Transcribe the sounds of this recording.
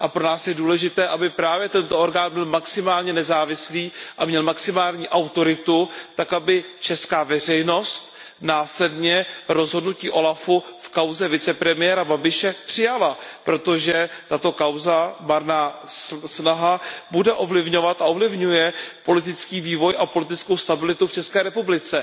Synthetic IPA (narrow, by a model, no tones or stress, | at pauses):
ʔapɾo̞naːsjɛduːlɛʒɪt̪ɛːʔabɪpɾaːvjɛt̪ɛnt̪oʔo̞ɾɡaːnbɪlmaksɪmaːlɲɛnɛzaːvɪsliːʔamɲɛlmaksɪmaːlɲiːʔawt̪o̞ɾɪt̪ut̪akabɪt͡ʃɛskaːvɛr̝ɛjno̞st̪ | naːslɛdɲɛɾo̞zɦo̞dnuciːʔo̞lafufkawzɛvɪt͡sɛpɾɛmɪjɛːɾababɪʃɛpr̥ɪjalapɾo̞t̪o̞ʒɛt̪at̪o̞kawzamaɾnaːsnaɦabudɛʔo̞vlɪvɲo̞vat̪aʔo̞vlɪvɲujɛpo̞lɪt̪̬ɪt͡skiːviːvo̞jʔapo̞lɪt̪ɪt͡skowst̪abɪlɪt̪uft͡ʃɛskɛːɾɛpublɪt͡sɛ